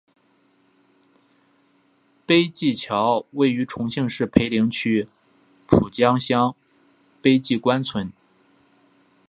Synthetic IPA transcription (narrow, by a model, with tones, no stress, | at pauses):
pe˥ɪt͡ɕi˥˩t͡ɕʰjɑ˧˥ʊwe˥˩ɪy˧˥ʈ͡ʂʰʊ˧˥ŋɕi˥˧ŋʂɻ̩˥˩pʰe˧˥ɪli˧˥ŋt͡ɕʰy˥ | pʰu˨˩t͡ɕjɑ˥ŋɕjɑ˥ŋ | pe˥ɪt͡ɕi˥˩kwa˥nt͡sʰwə˧˥n